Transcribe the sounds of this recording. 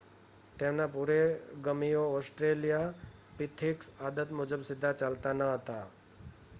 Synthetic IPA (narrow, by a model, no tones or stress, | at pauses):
t̪emnapuɾeɡəmijoɔsʈɾelijapit̪ʰiksad̪ət̪mud͡ʒəbsɪd̪ʱːat͡ʃalt̪anəɦət̪a